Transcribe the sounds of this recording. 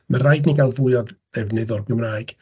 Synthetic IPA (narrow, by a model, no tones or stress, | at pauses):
marajdniɡalˠvʊɨaɔð | ɛvnɨðɔrɡɪmnaːjɡ̥